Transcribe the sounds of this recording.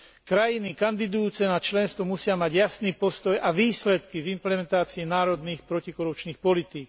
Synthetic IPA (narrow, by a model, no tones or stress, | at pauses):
kɾajinikand̪id̪ujuːt͡sɛnat͡ʃlɛnst̪ʋɔmusɪamaɟjasniːpɔst̪ɔjʔaʋiːslɛt̪kivimplɛmɛnt̪aːt͡siɛnaːɾɔd̪niːxpɾɔcikɔɾup̚t͡ʃniːxpɔlit̪iːk